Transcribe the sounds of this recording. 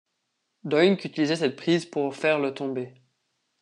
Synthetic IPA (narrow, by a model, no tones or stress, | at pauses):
d̪ɔjnkyt̪ilizɛsɛt̪̚pχizpuʁfɛʁlət̪ɔ̃be